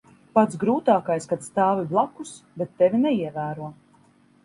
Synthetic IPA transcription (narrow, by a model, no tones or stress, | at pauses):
pat̪sɡɾuːt̪aːkajskat̪st̪aːviblˠakusbɛt̪ːɛvʲinɛiɛvæːɾuɔ